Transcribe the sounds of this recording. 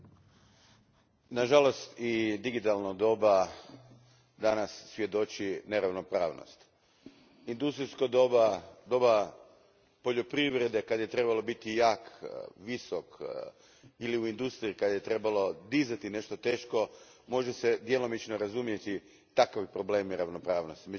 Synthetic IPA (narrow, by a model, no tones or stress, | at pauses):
naʒalo̞st̪id̪iɡit̪alˠnod̪o̞ba | d̪anasːʋje̞d̪o̞t͡ʃine̞ɾaʋno̞pɾa̰ːʋno̰st̪ | ind̪ust̪ɾiskod̪bad̪o̞ba | po̞ʎo̞pɾiʋɾe̞d̪e̞kad̪aje̞t̪ɾe̞balˠo̞bit̪ijaːkʋisok | iliuind̪ust̪ɾiikad̪ajet̪ɾe̞balo̞d̪izat̪ine̞ʃt̪o̞t̪e̞ːʃko̞ | mo̞ʒesed̪jelo̞mit͡ʃnoɾazumjet̪i | t̪akaʋipɾo̞ble̞ːmiɾaʋno̞pɾaːʋno̞st̪ime